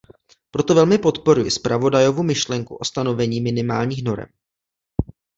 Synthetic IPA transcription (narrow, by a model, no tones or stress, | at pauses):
pɾo̞t̪o̞vɛlmɪpo̞t̪po̞ɾujɪspɾavo̞dajovumɪʃlɛŋkṵʔo̞st̪ano̞vɛɲiːmɪnɪmaːlɲiːxno̞ɾɛ̰m